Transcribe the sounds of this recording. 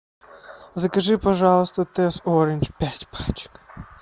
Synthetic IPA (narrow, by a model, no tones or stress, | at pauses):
zɐkɐʐɨpɐʐɑlˠst̪ət̪ɛsoɾʲɪnʲt͡ʃpʲatʲpat͡ʃɪ̥k